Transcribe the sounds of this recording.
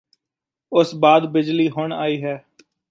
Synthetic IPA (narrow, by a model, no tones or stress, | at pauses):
ʊsbaːd̪bɪd͡ʒliːɦʊɳa̰ːiːɦɛː